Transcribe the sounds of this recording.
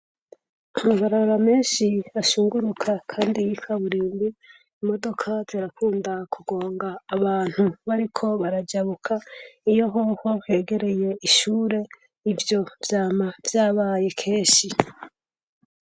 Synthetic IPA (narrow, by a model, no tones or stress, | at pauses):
amuɡaɾaβaɾameːnʃiaʃuːŋɡuɾukʰakʰaːndijikaβuɾiːmbi | imo̞do̞kʰatʰeɾakʰuːndakʰuɡo̞ːŋɡaːβaːn̥huβaɾikʰo̞βaɾad͡ʒaβukʰaijo̞ɦohohe̞ːɡe̞ɾe̞je̞iʃuːɾe̞ | ivjo̞vjaːmav̥jaːβaje̞kʰe̞ːʃi